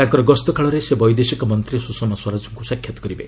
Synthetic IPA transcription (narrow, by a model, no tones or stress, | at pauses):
t̪ãŋkɔɾɔɡɔst̪ɔkʰaɭɔɾesebɔjd̪esikɔmɔnt̪ɾisusɔnɔswaɾad͡ʒɔŋkusakʰjɔt̪ɔ̥kɔɾibḛ